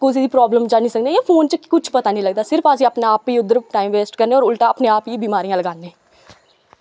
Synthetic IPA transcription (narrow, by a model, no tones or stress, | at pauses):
kʊs̬iːd̪iːpɾɔːbləmd͡ʒaːniːsəkneːeːpʰoːnt͡ʃkʊt͡ʃʰpət̪aːnĩləɡ̚d̪aːsɪɾfaːs̬iːaːpneaːpiːʊd̪əɾʈaːiːmʋeːsʈkəɾneːɔːɾʊlʈaːaːpneːaːpiːbiːmaːɾijãləɡaːneː